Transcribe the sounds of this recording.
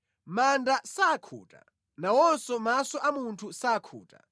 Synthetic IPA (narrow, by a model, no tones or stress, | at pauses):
mandasaːkʰṵːta̰ | nawɔnsɔmasɔʔamuntʰusaːkʰṵːtʼḁ̰